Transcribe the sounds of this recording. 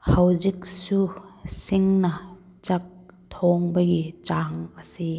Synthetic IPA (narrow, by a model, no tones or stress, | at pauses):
hɐwzik̚susiŋnɐ | t͡ʃɐk̚t̪ʰɔŋbɐɡit͡ʃaŋɐsi